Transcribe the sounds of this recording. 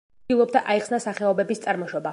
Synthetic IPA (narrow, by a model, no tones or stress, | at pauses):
ilˠɔb̚d̪aʔaiχsnasaχɛɔbɛbist̪sʼaɾmɔʃɔba